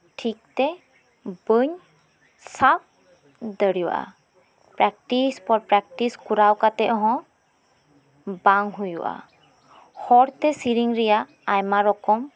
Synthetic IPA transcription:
ʈʰik̚tɛ | bəɲ | sap̚ | dəɾiwʔa̰ | pɹɛk̚tispɔɹpɹɛk̚tiskuɾawkat̪ɛʔɔɦɔ̃ | baŋɦujṵʔa̰ | hɔɽt̪ɛsiɾiŋɹija | ajmaɹɔkɔm

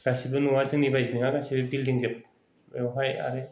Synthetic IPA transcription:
ɡ̥asibɯnuwazɯŋnibajzinɯŋaɡasibɯbildiŋzep | ewɦaja̰ɾe

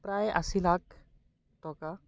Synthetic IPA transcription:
pɾajʔɐ̰silak | t̪ɔka

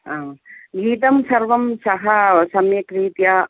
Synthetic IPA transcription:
aːɡiːt̪ɐmsɐɾʋɐmsɐɦɐsɐmjɐkɾiːt̪jaː

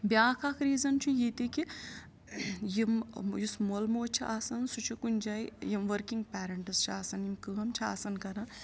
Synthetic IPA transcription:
bjaːkʰaːkʰɾiːzɐnt͡ʃʰujit̪iki | jimjusmolmoːt͡ʃʰiʔaːsɐnsut͡ʃʰikunʲd͡ʒaːjjimʋɐɾkiŋɡ̚pʲɛːɾɐɳʈɨst͡ʃʰiaːsɐnjimkɨɣɐmt͡ʃʰia̰ːsɐnkɐɾã

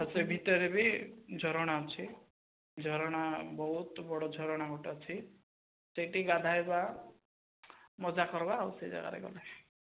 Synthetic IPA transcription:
ɔsebʱit̪ɔɾebid͡ʒʱɔɾɽ̃at͡ʃʰi | d͡ʒʱɔɾɔɽ̃abɔɦut̪bɔɽɔd͡ʒʱɔɾɔɽ̃aɡʱɔʈɔt͡ʃʰi | seʈiɡad̪ʱajba | mɔd͡ʒakɔɾbawsʰed͡ʒa̰ɡa̰ɾḛɡɔ̰le

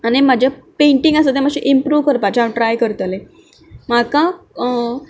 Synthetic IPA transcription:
animad͡ʑʱapeɳʈĩŋɡasət̪̬emaɕiʔimpɾuːʋkəɾpat͡ɕaʈɾajkəɾt̪ale | makã

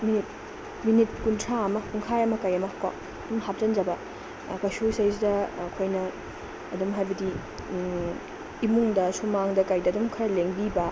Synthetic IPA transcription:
minit̚ | minit̚kuntʰɾaɐmɐkuŋkʰajɐmɐkajɐmɐhaka̰ | ɐdumhap̚zɐnd͡ʒɐbɐ | kɐsusajs̬dɐːkʰojnɐː | dumɦajbɐdi | imuŋdɐsumaŋdɐkajdɐːdɔmkʰɐɾɐleŋbibɐ

